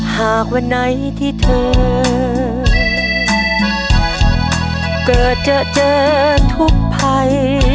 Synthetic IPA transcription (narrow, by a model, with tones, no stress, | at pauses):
haː˨˩k̚wa˧nːa˧˥j | t̪ʰiː˧˩t̪ʰɤː˧ | kɤː˨˩t̪̚t͡ɕaː˧˩ʔt͡ɕɤː˧t̪ʰu˦˥k̚pʰa˧j